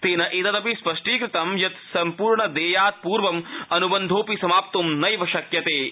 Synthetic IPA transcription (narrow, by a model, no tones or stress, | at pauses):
t̪eːnɐʔit̪ɐt̪ɐpispɐʂʈiːkɾɪt̪ɐmjɐt̪sɐmpuːɾɳɐd̪eːjaːt̪̚puːɾʋɐmɐnubɐnd̪ʱoːpisɐmaːp̚t̪umnɐjʋɐʃɐkjɐt̪eː